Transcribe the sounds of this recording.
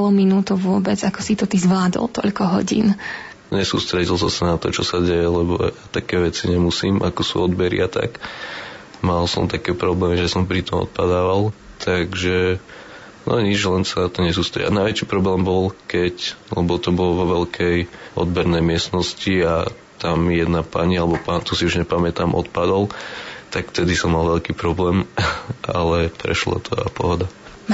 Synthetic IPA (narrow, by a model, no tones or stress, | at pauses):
lɔminuːt̪uʋʊɔbɛd͡zakɔsit̪ɔt̪izʋlaːd̪ɔ̰lt̪ɔ̰ʎkɔɦɔ̰ɟḭːn | ɲɛsṵːst̪ɾɛɟilˠsɔmsanat̪ɔt͡ʃɔsaɟɛjɛlɛbɔ̰jat̪akɛːʋɛt͡siɲɛmusiːmʔa̰kɔsṵɔd̪bɛɾḭat̪a̰k | malsɔ̰mt̪akɛːpɾɔblɛːmiʒɛsɔmpɾit̪ɔmɔ̰t̪̚pad̪aːʋal | t̪ʰaɡʒɛ | nʔɔ̰ɲid͡ʒlɛnsanat̪ɔɲɛzuːst̪ajɛ̰a̰naɪʋɛt͡ʃiːpɾɔblɛːmbɔlkɛclɛbɔt̪ɔbɔlʋɔʋɛlkʰɛjɔ̰d̪bɛɾnɛjmɪɛst̪nɔscia | t̪amjɛd̪napa̰ɲialɛbɔpaːnt̪ɔsiuʒɲɛpamɛt̪amʔɔ̰t̪̚pad̪ɔlt̪akft̪ɛd̪isɔmːalʋɛʎkiːpɾɔblɛːmʔa̰lɛpɾɛ̰ʃla̰t̪ʰɔa̰pɔ̰ɦɔd̪a